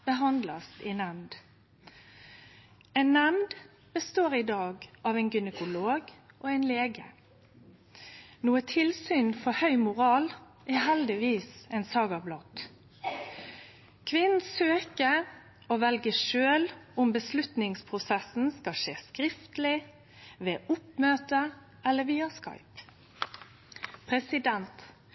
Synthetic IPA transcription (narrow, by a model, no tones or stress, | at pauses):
b̥əɦɑnd̪lɑsɪnɛmd̪ | ɛɪnːɛmd̪ | bəst̪oːɾɪd̪ɑːɡɑːʋɛɪnɡɪnəkʊloːɡ | ʔɔɛɪnleːɡə̰ | nuːət̪ʰɪlsyːnfɔhœʏmʊʁɑːl | ʔɛhɛld̪ɪʋiːsɛɪnsɑːɡɑblɔt̪ | kʰʋɪnn̩søːkə | oːʋɛlɡəʃøːlʊmbəslʉt̪nɪŋspʰʁʊsɛsn̩skɑʃeːskɾɪft̪lɪ | ʋeːʔʊpmøːt̪ə | ɛlːəʋiːəskɑ̰ɪp | pʰɾɛsɪd̪ɛnt̪